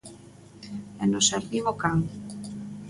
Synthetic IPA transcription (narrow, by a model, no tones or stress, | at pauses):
ɛnoseɾðiɣokaŋ